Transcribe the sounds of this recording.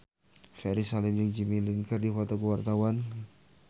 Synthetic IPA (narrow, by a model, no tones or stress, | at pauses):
fɛɾisalɪmd͡ʒɪk̚d͡ʒimiliŋkərdifɔt̪ɔkuwart̪awan